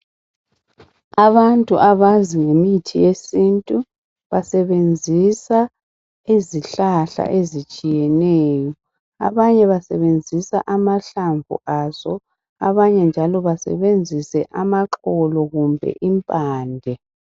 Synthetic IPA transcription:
aβantʼuʔaβaziŋemitʰijesintʼu | βasɛβend͡zʱisa | iziɬaɬa̰ʔezit͡ʃʼijɛnɛːjɔ | a̰βaɲɛβasɛβend͡zʱisa̰ʔamaɬaɱvʱṵʔaːzɔ | a̰βaɲɛnd͡ʒʱalɔβasɛ̰βend͡zʱisɛʔamaǁɔlɔɣumbʱɛ̰ʔimpʼaːndʱɛ

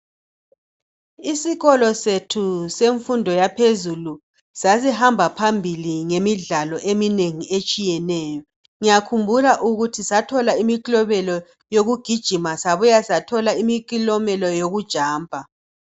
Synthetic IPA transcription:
isiɣɔlɔsetʰuseɱfundʱɔjapʰezulu | sazihambʱapʰambʱiliŋemiɮalɔʔemineŋiet͡ʃʼijɛnɛːjɔ | ŋijakʰumbʱulaʔuɣutʰisatʰɔlaimikilɔβɛlɔ | joɣuɡ̥ʱid̥ʒ̥ʱimasaβujasatʰɔlaimik̬ʼilɔmɛlɔjoɣud̥ʒ̥ʱaːmpa

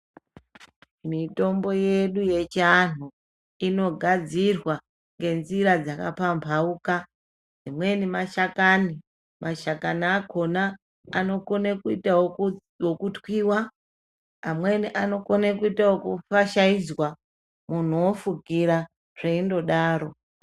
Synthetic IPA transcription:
mito̞mbo̞je̞ɗuje̞t͡ʃan̤u | ino̞ɡʱad͡zirwa | ŋɡe̞nziɾad͡zaka̰pampʰauːka | d͡zimwe̞nimaʃakani | maʃakanakʰo̞naː | no̞konekuita | wokutwiːwa | amwe̞niʔano̞konekuitawokufaʃaid͡zwa | mun̤uwofuɡʱiɾa | ʐ̥eindo̞ɗaːɾo̞

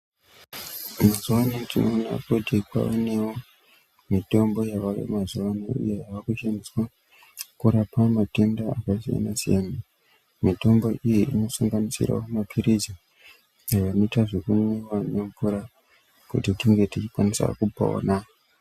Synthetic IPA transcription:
mazuwanetino̞ːna̰kutikwa̰onewo | mito̞mbo̞jawaʋḛmazuwaniṵjejaʋakuʃaniswa | kuɾapamate̞ndaakasija̰nasijana | mito̞mbo̞ʔijiʔino̞saŋɡanisḭra̰umapʰiɾiza | jajanoitaʐekuniwanempuɾa | kṵtitiŋɡe̞tit͡ʃikwanisa̰kupao̰ːna

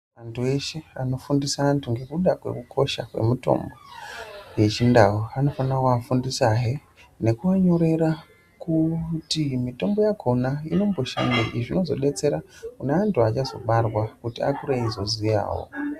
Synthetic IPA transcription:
ʋantʰue̞ʃe̞ano̞fundisaantʰuŋɡe̞kuɗakwe̞̰kukʰo̞ʃakwe̞̰muto̞̰mbo̞we̞t͡ʃindawoano̞fanakuafundisaɦe | ne̞kuʋaɲo̞ɾe̞ɾa | kutimito̞mbo̞jakʰo̞naino̞mbo̞ʃa̰ŋɡeʔiʐino̞zo̞ɗe̞t͡se̞ɾakuneantuat͡ʃazo̞̰ɓarwakutia̰kuɾeizo̞zija̰ːwo̰

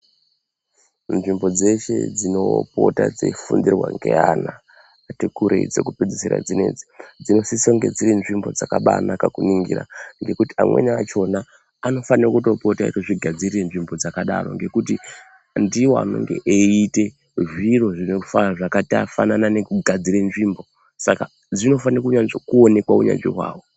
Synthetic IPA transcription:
nʐimbo̞d͡ze̞ʃe̞̰d͡zinopo̞̰ta̰d͡zḛifundirwa̰ŋɡe̞̰anaː | tikuɾeid͡zekuped͡ziseɾa̰d͡zinḛːd͡zi̥d͡zino̞sisoŋɡe̞̰d͡ziɾinʐimbo̞d͡zakaɓanakakuniŋɡḭɾa̰ŋɡe̞kutiamwe̞̰niat͡ʃo̞naː | no̞fanirokuto̞potaḭtoʐiɡʱad͡zirirenʐimbo̞d͡zakaɗa̰ɾo̞̰ŋɡe̞kuti | ndiwoa̰no̰ŋɡe̞̰ʔeite̞ | ʐiro̞ʐinefaʐakatia̰fa̰nananekuɡʱad͡ziɾenʐiːmbo̞ | saka | d͡zino̞fanirakuɲanzokuone̞kwauɲa̰nʐḛɦwa̰ːwo

